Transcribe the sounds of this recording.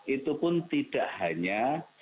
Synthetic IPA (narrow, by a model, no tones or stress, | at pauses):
ʔit̪upʊnt̪iɖ̥aʔhaɲa